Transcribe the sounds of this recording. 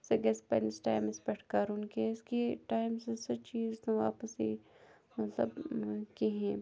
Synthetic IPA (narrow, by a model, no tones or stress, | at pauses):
sɐɡɛspa̰nɪsʈa̰ːɪmɪspɛʈʰkaɾʊnkeɪskiʈaːɪmsesɐt͡ʃiːzt̪õʋa̰ːpəsi | mɐt̪lə̰bkeɦɛ̃ː